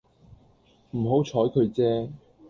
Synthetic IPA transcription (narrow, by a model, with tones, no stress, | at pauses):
m̩˨˩ɦo˨˥wt͡ʃʰɔː˨˥jkʰɵ˨˧ɥt͡sɛː˥